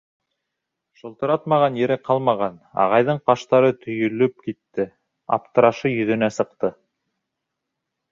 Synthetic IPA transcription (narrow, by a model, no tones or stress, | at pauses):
ʃŏlˠt̪ɤ̆ɾɑt̪mɑʁɑnjɘ̆ɾɘqɑlˠmɑʁɑnɑ̰ʁɑjðɤɴqɑʃt̪ɑɾɤt̪ʰɵ̆jɵ̆lɵp̚kit̪ːɘ | ɑ̰p̚t̪ɤ̆ɾɑʃɤjɵ̆ðɵ̆næsɤ̆qt̪ɤ